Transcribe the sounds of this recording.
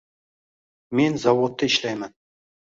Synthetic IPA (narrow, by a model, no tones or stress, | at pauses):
me̞nzɑwot̪ːəɪʃlæjmæn